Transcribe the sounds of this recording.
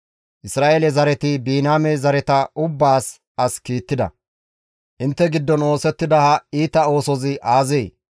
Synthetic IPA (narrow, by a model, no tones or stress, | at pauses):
ʔɪsɾaːʔelɛzɐɾɛt̪ɪbiːnaːmɛzɐɾɛt̪ɐʔʊbːaːs | ɐskiːt̪ːɪd̪ɐ̰ | ʔɪnt̪ːɛɡɪd̪ːɔno̞ːsɛt̪ːɪd̪ɐhɐiːt̪ɐo̞ːsɔzɪʔaːzeː